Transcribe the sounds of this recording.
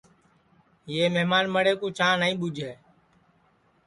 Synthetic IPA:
jeːmeːmaːnməɽeːkoːt͡ʃãːnəĩːɓʊd͡ʒʱeː

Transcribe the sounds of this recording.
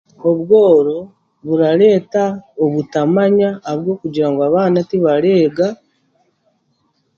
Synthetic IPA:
o̞βwo̞ːɾo̞ | βuɾaɾe̞ːtaoβutamaɲaβjo̞ːkuɟiɾaŋɡoaβaːnatiβaɾe̞ːɡa

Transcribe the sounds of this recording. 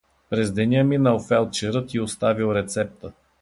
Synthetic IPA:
pɾɛzd̪ɛnʲəminəlˠfɛlˠt͡ʃɛɾɤt̪iʊst̪avilˠɾɛt̪sɛp̚t̪ə

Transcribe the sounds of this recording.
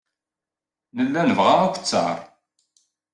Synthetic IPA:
nəlːænəvʁaækʷt͡sːə̰ɾˤ

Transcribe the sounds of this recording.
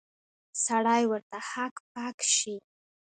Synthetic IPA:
saɽajwəɾt̪ahakp̚ɑkʃi

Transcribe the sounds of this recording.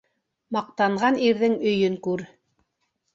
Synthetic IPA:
mɑq̚t̪ɑɴʁɑniɾðɘŋɵ̆jɵŋkʉɾ

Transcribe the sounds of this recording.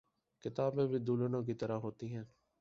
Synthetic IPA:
kɪt̪aːbẽːʋiːd̪uːlənõːk̬it̪əɾaːɦoːt̪iːɦɛ̃ː

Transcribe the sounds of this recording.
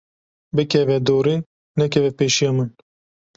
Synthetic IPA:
bɨkʰɛvɛd̪oːɾi | nɛkʰɛvɛpeːʃijɑːmɨn

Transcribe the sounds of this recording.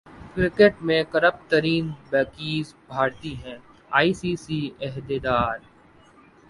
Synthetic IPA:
kɾɪkeʈmẽkəɾəp̚t̪əɾiːnbɛːkiːzbʱaːɾt̪iɦɛ̃ː | aːiːsiːsiːɛɦd̪ed̪aːɾ

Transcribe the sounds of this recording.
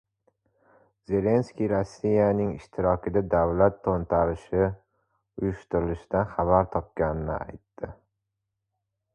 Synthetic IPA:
ze̞le̞nskʲijɾosːijanɪŋɪʃt̪ʰɪɾɒkʲʰɪd̪ad̪avlat̪ʰːont̪ʰaɾɪʃɪ | ʊjʊʃt̪ʊɾɪlɪʃɪd̪anχaβaɾt̪ʰɒp̚kʲanɪnɪ̰a̰jt̪ːɪ

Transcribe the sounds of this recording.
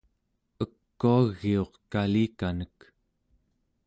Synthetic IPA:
əkːuaɣːio̞qkaliːkanək

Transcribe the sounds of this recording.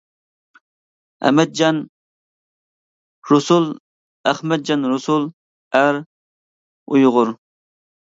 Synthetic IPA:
æ̰mɛd̪̚d͡ʒɑn | ɾʊsulˠ | æχmɛd̪̚d͡ʒɑnɾʊsulˠ | æɾ | ujʁʊɾ

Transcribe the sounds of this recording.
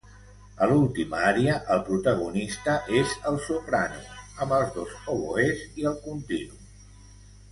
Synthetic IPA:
əlulˠt̪imaɾiəʔəlˠpɾut̪əɣ̞unist̪əʔezəlˠsupɾanṵəmbəlˠzðozoβoeziəlˠkunt̪inu

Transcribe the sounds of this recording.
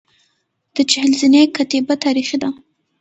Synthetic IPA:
d̪̥ət͡ʃɪhɪlzinekat̪ebat̪aɾixid̪a

